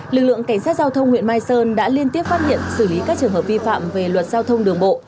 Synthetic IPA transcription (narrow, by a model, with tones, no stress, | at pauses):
lɨ˨˩k̚lɨ̰˧˨əŋka˧˩jŋ̟saː˦˥t̚zaː˧wt̪ʰə˧wŋ͡mŋwḭ˧˨ənmaː˧jsəː˧nɗa̰ː˧˥li˧ənt̪i˦˥əp̚faː˦˥t̚hḭ˧˨ənsɨ˧˩li˨˦kaː˦˥k̚t͡ɕɨ˨˩əŋɦəː˨˩p̚vi˧fa̰ː˧˨mve˨˩lwə˨˩t̚zaː˧wt̪ʰə˧wŋ͡mɗɨ˨˩əŋɓo̰˧˨